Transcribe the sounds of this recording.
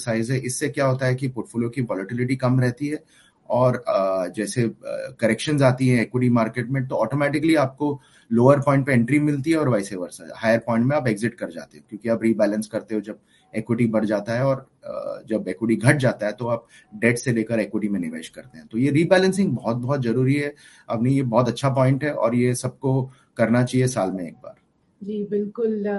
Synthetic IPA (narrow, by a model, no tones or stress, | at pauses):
saːɪzɦɛʔɪsːekjaɦoːt̪aɦɛkipoːɾʈfoːlijokiʋɔːləʈɪlɪʈikɐmɾɛɦt̪iɦɛ | ɔːɾd͡ʒɛːsekɐɾɛkʃə̃nzaːt̪iɦɛ̃ːkwɪʈ̬imaːɾkeːʈmẽt̪oɔːʈoːmɛːʈɪkəliaːp̚ko | loːəɾpɔ̃ɪ̃ɳʈ̚pẽɛ̃ɳʈɾimɪlt̪iɦɛɔːɾʋaːɪseːʋəɾsɛ̰haːɪəɾpɔ̃ːɪ̃ɳʈ̚mẽaːpɛːɡzɪʈ̚kɐɾd͡ʒa̰ːt̪eɦõkjõːkiaːpɾiːbɛːlə̃nskɐɾt̪eɦõd͡ʒɐb̚ | eːkwɪʈibɐɽd͡ʒaːt̪aɦɛɔːɾ | d͡ʒɐbeːkwɪʈiɡʱɐʈ̚d͡ʒaːt̪aɦɛt̪oaːp̚ | ɖeːʈseleːkəɾeːkwɪʈimẽnɪʋḛːʃkɐɾt̪eɦɛ̃t̪ojeɾiːbɛːlə̃nsɪ̃ŋɡbɔɦɔt̪̚bɔɦɔt̪zɐɾuːɾiɦɛ | apnɐ̃ĩjebɔːt̪ɐtːʃʰap̬ɔːɪ̃ɳʈɦɛʔɔ̰ːɾjesɐb̚ko | kɐɾnat͡ʃaːɦiesaːlmẽḛːk̚ba̰ːɾ | d͡ʒiːbɪlkʊl